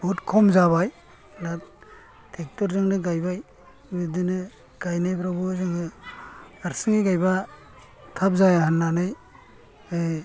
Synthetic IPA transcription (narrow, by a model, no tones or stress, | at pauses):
butkʰɔmzaβaj | lat̚ | tʰek̚tɔɾzɯŋnɯɡajbaj | bidɯnɯ | ɡ̥ajnɯjpʰɾabuzɯŋnɯ | aɾsɯŋiɡajba | tʰap̚zajahanːanɯj | ɯ